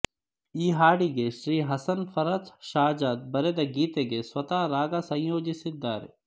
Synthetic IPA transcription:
iːɦaːɽiɡeʃɾiːɦɐsɐnfɐɾɐd͡ʒʃaːd͡ʒaːd̪̚bɐɾed̪ɐɡiːt̪eɡeswɐt̪aːɾaːɡasɐ̃jjoːd͡ʒisid̪ːaːɾḛ

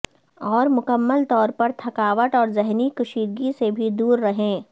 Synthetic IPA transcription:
ɔːɾmʊkəmːəlt̪ɔːɾpɐɾt̪ʰɐkaːʋəʈɔːɾzɛɦnikʊʃiːɾɡisebʱid̪uːɾːɐɦẽː

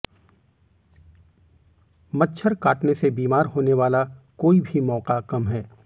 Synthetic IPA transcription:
mətːʃʰəɾkaːʈnesebiːmaːɾɦoːneʋaːlakoːibʱimɔːqakɐmɦɛː

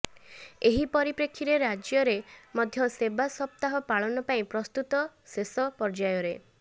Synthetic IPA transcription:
eɦipɔɾipɾekʰːiɾeɾad͡ʒjɔɾemɔd̪ʱjɔsebasɔp̚t̪aɦɔpaɭɔnɔpaĩpɾɔst̪ut̪ɔsesɔpɔɾd͡ʒajɔɾe

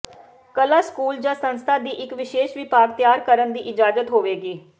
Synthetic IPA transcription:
kəlaːskuːld͡ʒãːsənst̪ʰaːd̪iːʔɪkʋɪʃeːʃʋɪpaːɡt̪jaːɾkəɾənd̪iːʔɪd͡ʒaːzət̪ɦoːʋeːɡiː

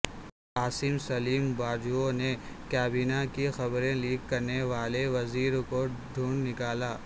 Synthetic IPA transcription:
aːsɪmsɐliːmbaːd͡ʒuone | kaːbiːnakixɐbɾẽliːkːɐɾneʋaːleʋɐziːɾkoɖʱuːɳnɪkaːlaː

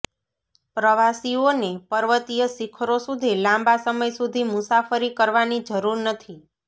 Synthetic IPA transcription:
pɾəʋasionepəɾʋət̪ijəsikʰɾosud̪ʱilãmbasəməjsud̪ʱimusafəɾikəɾʋanid͡ʒəɾuɾnət̪ʰi

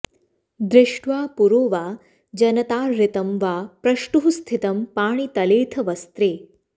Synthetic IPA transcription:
d̪ɾɪʂʈʋaːpuɾoːʋaː | d͡ʒɐnɐt̪aːɾːɪt̪ɐmʋaːpɾɐʃʈuɦust̪ʰit̪ɐmpaːɳit̪ɐleːt̪ʰɐʋɐst̪ɾeː

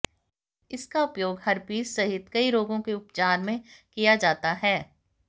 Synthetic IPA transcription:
ɪskaʊpjoːɡhɐɾpiːssɐɦɪt̪kɐiɾoːɡõkeʊpt͡ʃaːɾmẽkijad͡ʒaːt̪aɦɛː

